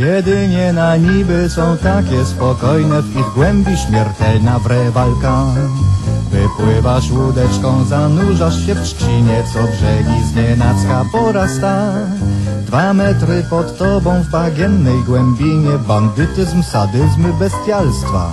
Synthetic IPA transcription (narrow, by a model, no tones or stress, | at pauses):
jɛd̪ɘɲɛnaɲibɘsɔ̃w̃t̪akʲɛspɔkɔjnɛviɣɡwɛmbʲiɕmʲjɛɾt̪ɛlnavɾɛvalka | vɘpwɪvaʂwud̪ɛt͡ʂkɔ̃w̃zanuʐaʂɕɛfʂt͡ɕiɲɛt̪sɔdʐɛvʲizɲɛnat̪skapɔɾast̪a | d̪vamɛt̪ɾɘpɔt̪ːɔbɔ̃w̃vbaɡʲjɛnːɛjɡwɛmbʲiɲɛband̪ɘt̪ɘzmsad̪ɘzmbɛst̪ʲjalst̪fa̰